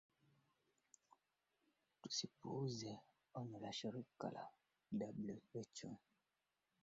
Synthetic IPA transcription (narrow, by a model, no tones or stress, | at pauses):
tusipozɛ | ɔnəlaʃeɾika̰la̰ | dablevet͡ʃṵ